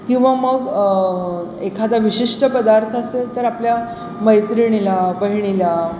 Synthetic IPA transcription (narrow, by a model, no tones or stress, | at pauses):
kĩw̃ʋaməɡ | ekʰad̪aʋiɕiʂʈəpəd̪aɾt̪ʰəset̪əɾaplja | məjt̪ɾiɽ̃ilapəɦiɳ̃ila